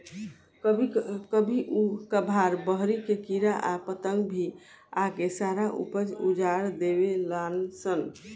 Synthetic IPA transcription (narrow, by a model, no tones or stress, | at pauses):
kbʱikəbʱiʔukəbʱaɾbəɦɾikekiɾaʔapət̪əŋɡbʱi | akesaɾaʔṵpəd͡ʒud͡ʒaɾd̪ebelansən